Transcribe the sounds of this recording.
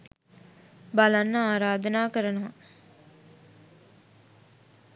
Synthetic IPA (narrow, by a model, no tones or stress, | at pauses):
balanːəaːɾaːd̪ənaːkəɾənoʋɐ̰